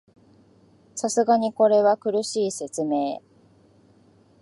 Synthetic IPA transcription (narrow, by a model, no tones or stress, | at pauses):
sasɨɡaɲ̟iko̞ɾe̞βakɯ̟ɾɯ̟ɕiːse̞t͡sɨme̞ː